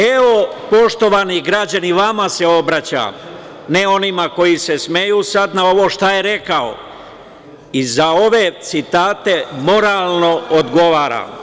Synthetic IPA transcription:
e̞o̞po̞ʃt̪o̞ʋaniɡɾad͡ʑaniʋamase̞o̞bɾat͡ɕa̰ | neo̞nimako̞jise̞sme̞juːsad̪nao̞ʋo̞ːʃt̪aje̞ɾe̞kao̰ | izao̞ʋe̞t̪sit̪aːt̪e̞mo̞ɾaːlno̞od̪ɡo̞ʋaːɾa̰

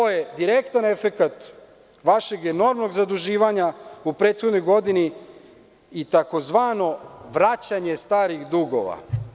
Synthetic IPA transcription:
ojed̪iɾe̞kt̪ane̞fe̞kat̪ | ʋaʃe̞ɡeno̞ɾmno̞ɡzad̪uʒiːʋaɲaupɾe̞ːt̪xo̞d̪no̞jɡo̞d̪iniː | t̪ako̞zʋaːno̞ʋɾat͡ɕaɲe̞st̪aːɾiɣd̪uɡo̞̰ʋa̰

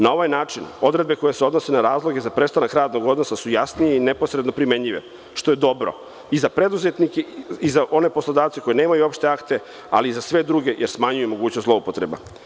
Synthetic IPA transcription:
nao̞ʋajnaːt͡ʂino̞d̪ɾe̞d̪̚be̞ko̞jeseod̪no̞se̞naɾaːzlˠo̞ɡe̞zapɾest̪anakɾaːd̪no̞ɡo̞d̪no̞sasujasnijeinepo̞sɾe̞d̪no̞pɾimeɲʎiʋḛ | ʃt̪o̞jed̪o̞bɾo̰ | izapɾe̞d̪uzet̪nikeizaʔo̞ne̞po̞slod̪aːʋt̪seko̞jeneːmajuo̞pʃt̪e̞akt̪e | a̰liizasʋe̞d̪ɾuɡe̞jeɾsmaɲujumo̞ɡuːt͡ɕnost̪lˠoupot̪ɾḛba̰

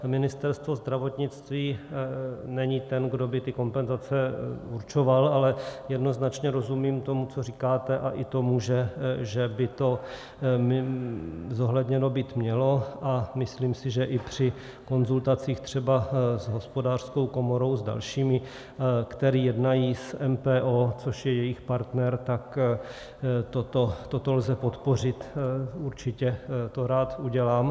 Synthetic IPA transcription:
mɪnɪst̪ɛɾst̪vo̞zd̪ɾavo̞t̪ɲɪt͡st̪viː | nɛɲɪt̪ɛnɡdo̞bɪt̪ɪko̞mpɛnzat͡sɛuɾt͡ʃo̞valalɛjɛdno̞znat͡ʃɲɛɾo̞zumiːmt̪o̞mut͡so̞riːkaːt̪ɛʔaʔɪt̪o̞muʒɛʒɛbɪt̪o̞ | m | zo̞ɦlɛdɲɛno̞biːt̪mɲɛlo̞ʔamɪsliːmsɪʒɛʔɪpr̝̥ɪ | ko̞nzult̪at͡siːxt̪r̝̥ɛbazɦo̞spo̞daːr̥sko̞wko̞mo̞ɾo̞wzda̰lʃiːmɪ | kt̪ɛɾiːjɛdnajiːsɛmpɛːʔoːt͡soʃjɛjɛjɪxpaɾt̪nɛɾt̪ak | t̪ot̪ot̪ot̪olzɛpo̞t̪po̞r̝ɪt̪uɾt͡ʃɪcɛt̪o̞ɾaːt̪uɟɛlaːm

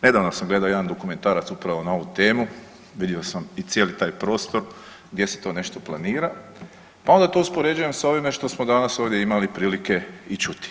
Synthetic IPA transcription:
ne̞d̪aːʋno̞samɡle̞d̪aoje̞d̪and̪o̞kume̞nt̪aːɾat̪supɾaʋo̞nao̞ʋut̪e̞ːmu | ʋid̪josamit̪sjeːlit̪aːjpɾo̞ːst̪o̞ɾ | ɡd̪jese̥t̪o̞ːne̞ʃt̪o̞plˠaniːɾa | pao̞nd̪at̪o̞uspo̞ɾe̞d͡ʑuje̞msao̞ʋimeʃt̪o̞smo̞d̪anaso̞ːʋd̪je̞imalipɾiːlike̞it͡ʃut̪i̥

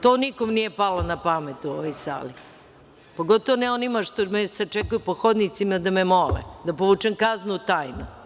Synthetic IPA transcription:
t̪oːnikomnije̞palonapamet̪uoʋojsa̰ːli | poɡot̪oʋonɛonimaʃt̪omeset͡ʃekujupoxod̪nit̪simad̪amemolḛd̪apoʋut͡ʃemkaznut̪aːjnu

